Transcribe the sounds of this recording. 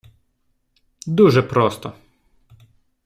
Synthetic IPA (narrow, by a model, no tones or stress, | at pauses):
d̪uʒɛpɾɔst̪ɔ